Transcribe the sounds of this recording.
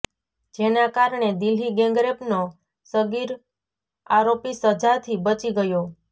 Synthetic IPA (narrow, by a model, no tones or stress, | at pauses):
d͡ʒenakaɾɳed̪iliɡẽŋɡɾepno | səɡiɾ | aɾopisəd͡ʒat̪ʰibət͡ʃiɡəjo